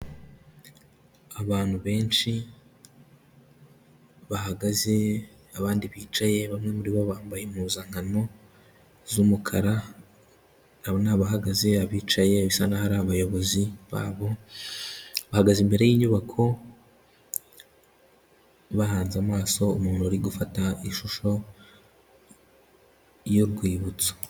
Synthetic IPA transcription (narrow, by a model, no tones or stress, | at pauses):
aβaːn̥huβe̞ːnʃi | βahaɡaze̞ | aβaːndiβiːt͡ʃaje̞βamŋe̞muɾiβoβaːmbajemuzaːŋ̥ano̞ | zumukʰaɾa | naβonaβahaɡaze̞aβiːt͡ʃaje̞βisanahaɾaaβajo̞βo̞ziβa̰ːβo̞ | βahaɡazimbe̞ɾe̞jiːɲuβakʰo̞ | βahaːnzamaːso̞umuːnhuaɾiɡufataiʃuʃo̞ | joɾɡwiːβut͡so̥